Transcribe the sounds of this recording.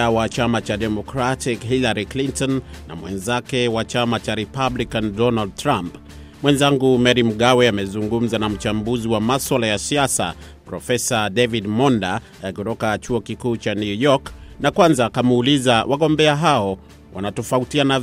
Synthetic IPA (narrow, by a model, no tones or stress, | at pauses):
awat͡ʃamat͡ʃaɗɛmɔkɾatikɦilaɾiklintɔnːa̰mwɛ̰nzakɛwat͡ʃamat͡ʃaɾɛpablikandɔnald̚tɾamp | mwɛnzaŋɡumɛɾim̩ɠawɛamɛzuŋɡum̩zanam̩t͡ʃambuziwamaswalajasiasa̰ | pɾɔfɛsadɛvidmɔnda | kutɔkat͡ʃuɔkikuːt͡ʃanjujɔknakwanzaːkamuuːlizawʔaɠɔmbɛaɦaɔ | wʔa̰natɔfautiana